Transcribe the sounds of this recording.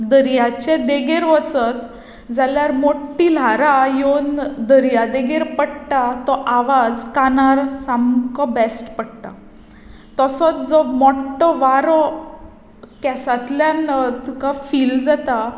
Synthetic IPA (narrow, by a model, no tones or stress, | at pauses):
d̪əɾjat͡ɕẽd̪eɡeɾʋət͡sət̪ | d͡zaljaɾmoʈːilaɾajond̪əɾjad̪eɡeɾpəɽʈat̪ɔʔaʋad͡zkanaɾsamkɔbɛsʈpəɽʈ̪a | t̪əsət͡sd͡zɔmɔʈːɔʋaɾɔ | kɛsat̪ljant̪ukafiːld͡zat̪a